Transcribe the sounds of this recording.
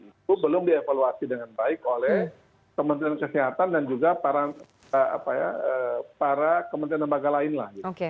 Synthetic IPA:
it̪ubəlʊmdiefaluasidəŋanbaɪkolɛh | kəmənt̪ɾiankəsiɦat̪andand͡ʒuɡapaɾa | aa̰paja̰əpaɾakəmənɾanləmbaɡalaɪnla̰hɡit̪oke

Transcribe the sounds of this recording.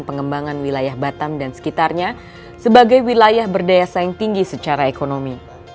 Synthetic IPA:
npəŋəmbaŋanwilajahbat̪amdansə̥kit̪arɲa | səbaɡajwilajahbərdajasaɪŋt̪iŋɡisət͡ʃaɾaekonomi

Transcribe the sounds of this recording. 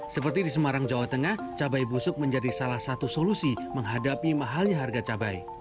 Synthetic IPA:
səpərt̪idis̬əmaɾaŋd͡ʒawat̪əŋah | t͡ʃabajbusʊk̚məɲd͡ʒadisalahsat̪usolusi | məŋɦadapimaɦalɲaɦarɡat͡ʃabaj

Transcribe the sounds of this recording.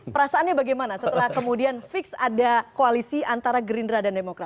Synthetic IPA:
pəɾasaːnɲabaɡajmanasət̪əlahkəmudianfɪksadakoalisiʔant̪aɾaɡɾindɾadandemokɾat̪̚

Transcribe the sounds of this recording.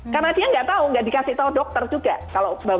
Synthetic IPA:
karnadiaŋɡaʔt̪auŋɡaʔdikasɪht̪audɔk̚t̪ərd͡ʒuɡa̰kaloba

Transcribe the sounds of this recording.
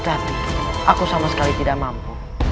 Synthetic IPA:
t̪atakosamaskaβit̪iɾamampo

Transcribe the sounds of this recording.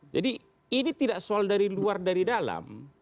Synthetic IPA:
d͡ʒadiː | nit̪idaʔsoaldaɾiluardaɾidala̰m

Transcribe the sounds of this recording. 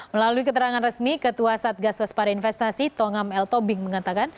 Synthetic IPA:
məlaluikət̪əɾaŋanrəsmikət̪uasat̪̚ɡaswaspaɾainfɛst̪asit̪oŋamɛlt̪obɪŋməŋat̪akan

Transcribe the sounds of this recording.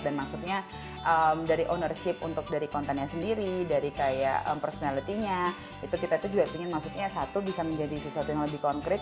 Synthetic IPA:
danmaksut̪̚ɲa | ʔəmdaɾiʔonərʃɪp̚ṵnt̪ʊk̚daɾikɔnt̪ɛnɲasəndiɾidaɾikaja̰ə̰mpərsonalit̪iɲa | it̪ukit̪ait̪ud͡ʒuɡap̪iŋɪnmaksut̪̚ɲasat̪ubisaməɲd͡ʒadisəsuat̪ujaŋləbɪhkɔnkɾɪt̪̚

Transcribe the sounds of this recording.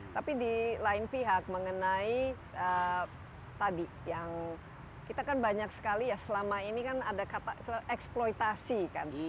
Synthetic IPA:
t̪apidilaɪnpiɦak̚məŋənai | ə | t̪adi | jaŋ | kit̪akanbaɲaksə̥kalijasəlamainikanadakap̪asəʔɛksplojt̪asika̰n

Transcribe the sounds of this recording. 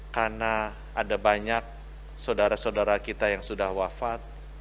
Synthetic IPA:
karna | adabaɲak̚ | sawdaɾasawdaɾakit̪ajaŋsudahwafat̪̚

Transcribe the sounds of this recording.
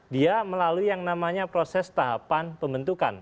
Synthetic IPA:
diaməlaluijaŋnamaɲapɾosɛst̪aɦapanpəmbənt̪uka̰n

